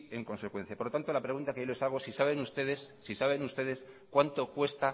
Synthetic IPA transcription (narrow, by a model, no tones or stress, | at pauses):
e̞ŋko̞nse̞kwe̞n̟θjapoɾlot̪ant̪o̞lapɾe̞ɣunt̪akejole̞saɣ̞osisaβe̞nust̪e̞ðe̞sːisaβ̞e̞nust̪e̞ðe̞s | kwant̪o̞kwe̞st̪a